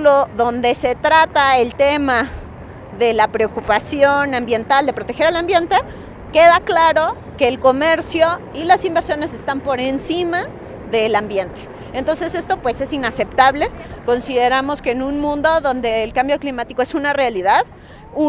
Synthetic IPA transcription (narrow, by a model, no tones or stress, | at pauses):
loðo̞nd̪e̞se̞t̪ɾat̪ae̞lt̪e̞ma | ðe̞lapɾeokupasjo̞nãmbje̞nt̪ald̪e̞pɾot̪exe̞ɾalambje̞nt̪e̞ | ke̞ðaklaɾo̞ | ke̞ːlko̞me̞ɾsjo̞ | ilasimbeɾsjo̞ne̞se̞st̪ampo̞ɾe̞nsima | ðe̞lambje̞nt̪e̥ːnt̪o̞nse̞se̞st̪o̞pwe̞se̞sinase̞pt̪aβle̞ko̞nsiðe̞ɾamo̞ske̞ːnũnmũnd̪o̞ðo̞nd̪e̞ːlkambjo̞klimat̪iko̞e̞sunarealiðað | u